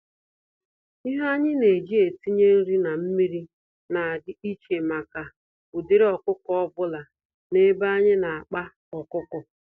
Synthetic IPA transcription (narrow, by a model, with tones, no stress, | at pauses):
i˦ɦa˦ɲɪ˦ne˨d͡ʒi˦e˨ti˦ɲe˦n̩˦ɾi˦na˨m̩˦mi˦ɾi˦ | na˨dɪ˦i˦t͡ʃe˨ma˨ka˨ | ʊ˨dɪ˦ɾɪ˦ɔ˨kʊ˦kɔ˦bʊ˦la˨ | ne˦ba˦ɲɪ˦na˨a˨k͡pa˦ | ɔ˨kʊ˦kʊ˨